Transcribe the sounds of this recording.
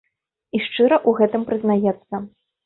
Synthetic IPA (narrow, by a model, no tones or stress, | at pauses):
iʂt͡ʂɨɾɐʔuɣɛt̪ɨmpɾɨznajɛt̪sːɐ